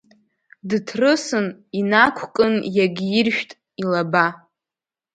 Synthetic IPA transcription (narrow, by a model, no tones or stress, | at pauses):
dɨtʰrɨsɨninakʷʰkʼɨnjaɡʲirʃᶣtʼ | ilaba